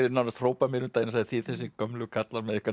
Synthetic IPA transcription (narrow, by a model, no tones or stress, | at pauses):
ɾɪnawnast̪roːwpamɪɾʏmt̪aːjnsaθiθɛsikœmlʏkʰat̪lanmɛðʏhka